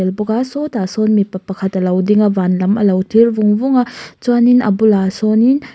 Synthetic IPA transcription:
elbɔɡasɔtasɔnmipɐpɐkʰɐtɐlɐwdiŋɐbanlɐmɐ̰lɐwtʰiɾbuŋbuŋat͡ʃaninɐ̰bulasɔnin

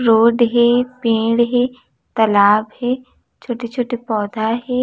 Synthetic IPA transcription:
ɾoːɖɦeːpẽːɽɦe | t̪ɐlaːbɦeː | t͡ʃʰoːʈet͡ʃʰoːʈepɔːd̪ʱaɦeː

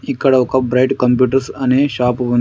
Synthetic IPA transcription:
ikːɐɽɐʋɐkɐbɾɐjʈkɐmpjuːʈɐɾsɐneːʃaːpʋɐn

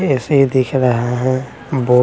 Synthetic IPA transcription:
ɛseid̪ɪkʰɾɐɦaɦɛ̃ | boː

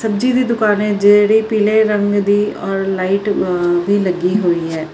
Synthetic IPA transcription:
səbd͡ʒiːd̪iːd̪ʊkaːnẽːd͡ʒeɽiːpiːleɾə̃ŋɡd̪iːɔːɾlaːiʈbʱiːləɡiːɦoːiːɦɛː

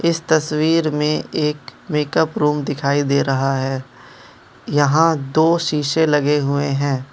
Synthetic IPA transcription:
ɪst̪ɐswiːɾmẽeːkmeːkəpɾuːmd̪ɪkʰaːid̪eːɾɐɦaɦɛː | jɐɦãd̪oːʃiːʃelɐɡeɦʊeɦɛ̃ː

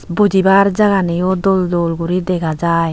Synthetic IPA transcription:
bud͡ʒibaɾd͡ʒaɡanejɔd̪ɔld̪ɔlɡuɾid̪ɛkʰad͡ʒaj

